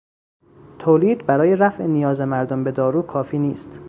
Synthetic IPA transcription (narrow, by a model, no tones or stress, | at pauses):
t̪ʰoːliːd̪bæɾɒːje̞ɾæfʔenijɒːze̞mæɾd̪ombe̞d̪ɒːɾuːkʰɒːfiːniːst̪